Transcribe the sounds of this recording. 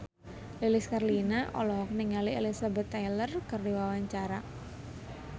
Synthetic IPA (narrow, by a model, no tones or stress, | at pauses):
liliskarlinaʔɔ̰lɔɦɔk̚niŋalielisabɛt̪ːajlərkərdiwawaɲt͡ʃaɾa